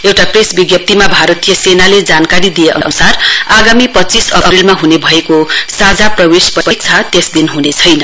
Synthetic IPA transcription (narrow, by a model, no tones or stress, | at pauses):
ewʈapresbiɡjʌp̚t̪imabʱaɾʌt̪ijʌsenaled͡zankaɾid̪ijeʔʌ̰ʔʌnusaraɡamipʌtt͡sisʌʌrilmaɦunebʱʌekosad͡zaprʌwespʌpʌk̚t͡sʰʌt̪esd̪inɦunet͡sʰʌjnʌ